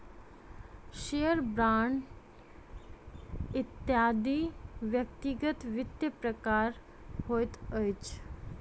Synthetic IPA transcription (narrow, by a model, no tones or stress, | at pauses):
ʃejəɾbɾaɳɖ | it̪jad̪iʋjək̚t̪iɡət̪ʋɪt̪ːjəpɾəkaɾ | hojt̪əjt͡ʃ